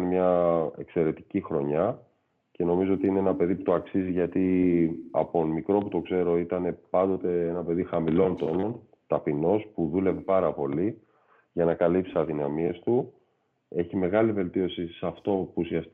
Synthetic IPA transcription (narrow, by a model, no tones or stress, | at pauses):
nmɲɐe̞̰kse̞ɾe̞t̪icixɾo̞ɲɐ | ce̞no̞mizo̞ot̪iine̞enɐpe̞ðiput̪o̞ɐksiziʝɐt̪iɐ̰pomikɾo̞put̪o̞kse̞ɾo̞it̪ɐne̞pɐnd̪o̞t̪e̞e̞nɐpe̞ðixɐmilo̞nt̪o̞no̞n | t̪ɐpino̞spuðule̞ve̞pɐɾɐpo̞li | ʝɐnɐkɐlipsiɐðinɐmie̞st̪u | e̞çime̞ɣɐlive̞lt̪io̞sisɐft̪o̞pusiɐs